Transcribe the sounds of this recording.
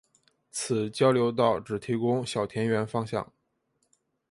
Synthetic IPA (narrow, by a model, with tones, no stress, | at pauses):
t͡sʰɹ̩˨˩˦t͡ɕjɑ˥ʊljo˧˥ʊt̪̬ɑ˥˩ʊʈ͡ʂɻ̩˨˩t̪ʰi˧˥kʊ˥ŋɕjɑ˨˩ʊt̪ʰjɛ˧˥nɥɛ˧˥nfɑ˥ŋɕjɑ̰˥˩ŋ